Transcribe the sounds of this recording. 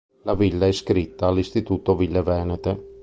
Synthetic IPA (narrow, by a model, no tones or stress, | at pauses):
lavilːaɛskɾit̪ːaːlːist̪it̪uːt̪ovilːevɛːnet̪e